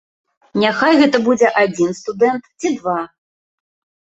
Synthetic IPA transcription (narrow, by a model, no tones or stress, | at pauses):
nʲaxajɣɛt̪ɐbud͡zʲɛʔad͡zʲinst̪ud̪ɛnt̪t͡sʲid̪va